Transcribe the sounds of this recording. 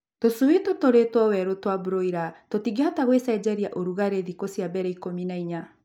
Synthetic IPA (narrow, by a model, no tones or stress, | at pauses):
tosuwetotoɾetwɔwɛɾotwabuɾoiɾatotiɡeataɣwesaid͡ʑɛɾiaʔoɾuɣaɾeðikosiabɛɾɛikominaiɲa